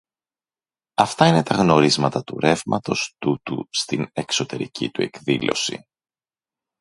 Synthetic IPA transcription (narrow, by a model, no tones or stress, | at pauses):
ɐft̪ɐine̞t̪ɐɣno̞ɾizmɐt̪ɐt̪uɾe̞vmɐt̪o̞st̪ut̪ṵst̪ine̞kso̞t̪e̞ɾḭcʰḭt̪ue̞kðilo̞̰sḭ